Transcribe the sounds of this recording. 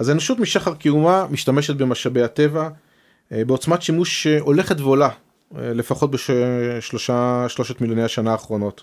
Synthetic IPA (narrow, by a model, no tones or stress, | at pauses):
azaenoʃutmiʃaχaʁkiumamiʃtame̞ʃet̚be̞maʃabejate̞va | beo̞t͡smatʃimuʃeo̞le̞χetveo̞la | le̞faχo̞t̚beʃʃloʃaʃlo̞ʃetmiljonejaʃanaːχʁo̞no̞t